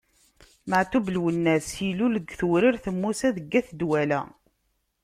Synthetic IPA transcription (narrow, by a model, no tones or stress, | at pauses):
məʕt̪ublwənːæsiluləɡθuɾiɾθəmːusæðəɡːæθd̪wælæ̰